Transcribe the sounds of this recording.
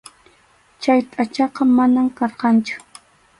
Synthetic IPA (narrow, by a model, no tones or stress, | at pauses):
t͡ʃajt̪ʼat͡ʃɑqɑmanamkɑɾqɑnt͡ʃʊ̥